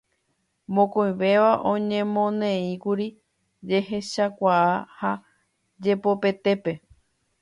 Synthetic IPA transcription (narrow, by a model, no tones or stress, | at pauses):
mõkõj̃ʋe̞ʋaʔõ̞ɲẽ̞mõ̞nẽĩkuɾi | d͡ʒe̞ɦe̞ʃakʷaaha | d͡ʒe̞po̞pe̞t̪e̞pe̞